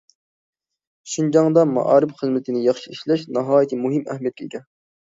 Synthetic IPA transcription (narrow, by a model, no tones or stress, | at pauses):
ʃund͡ʒɑŋd̪ɑmɑ̰ʔɑ̰ːɾɨpχəzmɪt̪ʰɪnɪjɑχʃiiʃlɛʃnɑɦɑːjit̪ʰɨmuɦɨmæ̰hmijɛt̪̚kʲekʲɛn